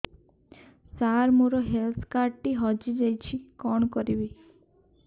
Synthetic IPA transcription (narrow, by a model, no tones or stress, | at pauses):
saɾmoɾɔɦelt̪ʰkaɾʈiɦɔd͡ʒid͡ʒajt͡ʃʰikɔɳ̃kɔɾibi